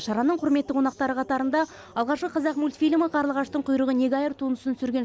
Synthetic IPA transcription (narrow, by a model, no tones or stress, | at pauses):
ʃɑɾɑnəɴqʰʊɾme̞t̪ːɪkwonɑq̚t̪ɑɾəqʰɑt̪ɑɾənd̪ɑ | ɑlˠʁɑʃqəqʰɑzɑqmulʲt̪fʲilʲməqʰɑɾlˠəʁɑʃt̪əɴqʰʊjɾəʁəneɡʲajeɾt̪ʰunəsənsʏɾɡʲe